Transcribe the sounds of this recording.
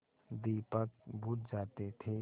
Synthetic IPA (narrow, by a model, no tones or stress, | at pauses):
d̪iːpək̚bʱuːt̪̚d͡ʒaːt̪et̪ʰeː